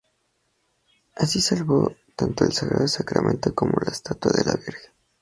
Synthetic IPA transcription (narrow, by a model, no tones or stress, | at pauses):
asisalβo̞t̪ant̪oe̞lsaɣɾaðosakɾamʔẽ̞nt̪o̞komo̞laest̪at̪waðe̞laβiɾxen